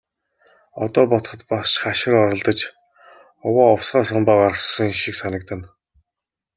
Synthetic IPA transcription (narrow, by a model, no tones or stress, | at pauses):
ɔt̪ɔːpɔt̪χɞ̆t̪pasʃχaʃɪ̆rɔɾɞ̆ɮt̪ə̆t͡ɕ | ʊwaːɔwsɢaːsɔmpaːɢaɾə̆χssɞ̆ŋʃiksanə̆k̚t̪ə̆n